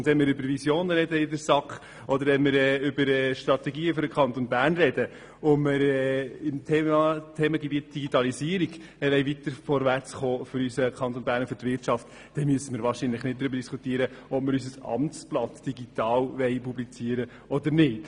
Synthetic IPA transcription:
ʊnd̪ʋɛnmɪɾʏbəɾvisjoːnəɾɛdəɪdəɾsɑkχ | ɔd̪əɾʋɛnmɪɾɛːʏbəɾɛːʃtɾɑt̪ɛɡiːəføɾəkʰχɑnt̪onbæːrnɾɛdə | ʊmɪɾɛɪmt̪ʰɛːt̪ʰɛːməɡɛbiətd̥iɡitɑlisiəɾiɡ | ɛʋɛɪvit̪əɾfɔɾvært͡sχoːfʏɾysəkʰɑnt̪onbæːɾnfʏtvɪɾtʃɑft | d̥ɛmyəsəmɪːɾʋɑːɾʃinləχnɪt̚d̪ɾʏbəɾd̥iskutiːəɾəɔp̚mɪɾys̬əsɑ̰mt͡splɑt̪d̥iɡit̪ɑːlʋɛɪpublit͡siəɾə | ɔd̪əɾnɪːt

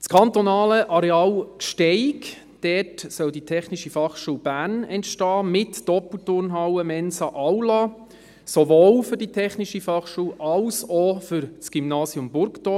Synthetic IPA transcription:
t͡skʰɑnt̪onɑːləʔɑɾɛɑlkʃtɛɪk | d̥ɛtsœlditʰɛχniʃifɑχʃuːb̥æːrnɛntʃtɑːmɪtd̥ɔpl̩tʊɾnɦawəmɛnsɑʔawlɑ | sovoːlfʏɾditʰɛχniʃifɑχʃuːʔɑlsɔfʏɾt͡sɡ̥ymnɑːsjʊmbʊɾktɔ

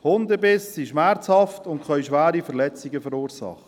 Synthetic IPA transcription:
hʊndəbɪssiʃmæɾt͡shɑftʊntkχœʏʃʋæːɾifəɾlɛt͡siɡəfəɾuːɾsɑ̰χə̥

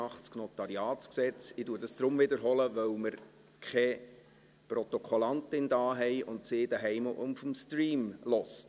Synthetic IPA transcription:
ɑχtt͡sknɔtɑɾiɑːtsksɛt͡sɪduːədɑsd̪̥ɾʊmvɪdəɾɦɔləʋœwməɾ | kχɛ | pɾɔt̪ɔkʰolɑntɪndɑːɦɛjʊntsɪːd̥æɦɛjməʔʊmfɔmstɾiːmlɔst

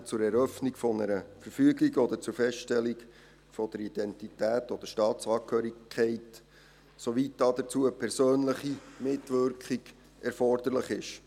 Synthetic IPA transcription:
t͡sʊɾɛɾœfnikfɔnəɾəfəɾfyəɡiɡɔd̪əɾt͡sʊɾfɛsʃtɛliɡ | fɔd̥̪əɾid̥̪ɛntitæːtɔd̥̪əɾʃtɑːtt͡sɑːkhøːɾikʰːɛɪt | sɔʋit̚dɑd̥̪ət͡suəpʰɛɾsøːnləχimɪtʋʏɾkχiɡ̥ | ɛɾfɔrd̥̪əɾləχɪʃ

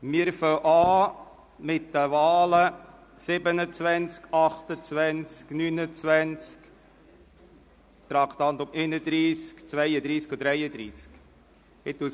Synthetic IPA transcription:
mɪːɾfœʔɑː | mɪtdəvɑːlə | sɪbənət͡svænt͡skɑχt̪ət͡sʋænt͡sknynət͡svænt͡sk | t̪ɾɑkt̪ɑnt̪ʊmeɪnəd̪ɾiːskt͡svæjəd̪ɾiːskud̥̪ɾɛjəd̪ɾiːsk | hɪt̪ːu

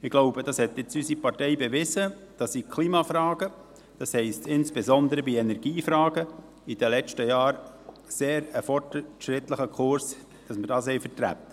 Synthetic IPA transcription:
ɪɡ̥loʊbədɑshɛt̪ːjɪt͡sysipɑɾtɛɪbeʋɪzə | d̥ɑsikʰliːmɑfɾɑːɡə | d̥ɑshɛɪstʰɪnsb̥ezɔnd̪əɾəbiɛnɛɾɡ̥iːfɾɑːɡə | id̥əlɛt͡ʃtəjɑːɾ | seːɾəfɔrtʃɾɪt̪ləχəkʰʊɾs | d̥ɑsmɪɾdɑːshɛɪjfəɾtɾæ̰p̚t

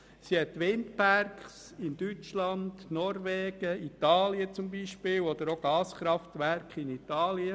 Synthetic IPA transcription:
sihɛtːʋɪndpærkχs | ɪnd̥yt͡ʃlɑndnɔɾʋɛːɡ̥əit̪ɑːliət͡sʊmbiʃpɪːwɔd̥̪əɾoɡ̥ɑːsχɾɑft̪ʋærkχɪnit̪ɑːliə

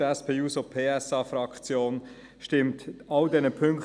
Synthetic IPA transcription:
ɛspʰeːuːsopʰeːɛsɑːfɾɑkt͡sjoːn | ʃtɪmtɑldɛnəpʰʏŋk

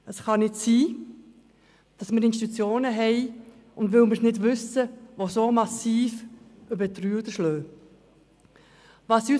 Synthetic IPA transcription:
əsχɑnɪtsiː | d̥ɑsmɪɾɪnʃt̬itut͡sjoːnəɦɛɪ | ʊndʋɪlməsnɪdvʏsəʋosomɑsiːføbətryːəd̪əʃløː | vɑsy

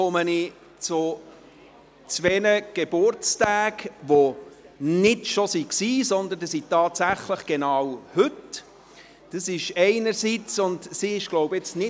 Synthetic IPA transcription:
ɔməni | t͡sʊ | t͡sʋɛnəɡ̥eb̥ʊɾt͡stæːɡʋo | nɪtʃosiksiːsɔnd̪əndəsitɑːtsæχləχɡ̥enɑːwhɵt | d̥əsɪʃɛɪnəɾsiːt͡sʊndsiɪʃɡ̥loʊbəɪt͡snɪ

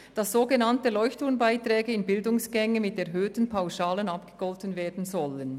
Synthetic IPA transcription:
d̥ɑsz̥oːɡənɑntəlɔʏçtʰʊnbaɪtrɛːɡəɪnbɪldʊŋsɡ̥ɛŋəmɪtɛɐɦøːtən̩pʰaʊsaːlənɑpɡ̥ə̥ɡ̥ɔltənveːɐdn̩zɔlən

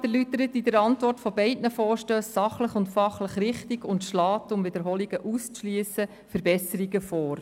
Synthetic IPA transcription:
dəlyt̪əɾətidəɾɑntʋɔrtfɔbɛɪdnəfɔːɾʃtøːsːɑχləχʊntfɑχləχrɪχtiɡʊntʃlɑːtʊmʋɪd̪əɾɦɔliɡ̥əʔust͡sʃliːəsə | fəɾbɛsəɾiɡəfɔːɾ

